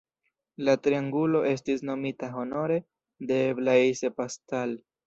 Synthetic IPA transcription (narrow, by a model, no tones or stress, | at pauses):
latɾiaŋɡulo̞ʔe̞s̬tisno̞mitaɦo̞no̞ɾe̞ | de̞blaise̞pastal